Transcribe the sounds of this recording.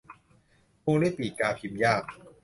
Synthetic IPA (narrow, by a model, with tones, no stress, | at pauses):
ko˧ŋda˥˩jpiː˨˩t̪̚kaː˧pʰi˧mjaː˥˩k̚